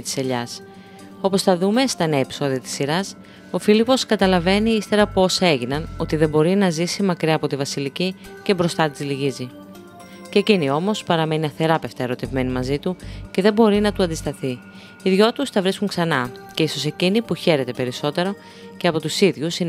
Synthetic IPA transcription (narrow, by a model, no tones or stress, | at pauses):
t̪i̥seʎɐs | o̞po̞sθɐðume̞st̪ɐneepi̥so̞ðiɐt̪i̥siɾɐs | o̞filipo̞skɐt̪ɐlɐve̞niist̪e̞ɾɐpo̞se̞ʝinɐno̞t̪iðe̞bo̞ɾinɐzisimɐkɾiɐːpo̞t̪ivɐsilici | ce̞bɾo̞st̪ɐt̪izliʝizi | cecinio̞mo̞spɐɾɐme̞niɐfθe̞ɾɐpe̞ft̪ɐeɾo̞t̪e̞vme̞nimɐzit̪uce̞ðe̞bo̞ɾinɐt̪uɐnd̪ist̪ɐθi | iðʝo̞t̪ust̪ɐvɾiskuŋksɐnɐce̞iso̞se̞cinipuçe̞ɾe̞t̪e̞pe̞ɾiso̞t̪e̞ɾo̞ | ceɐpo̞t̪usiðʝusin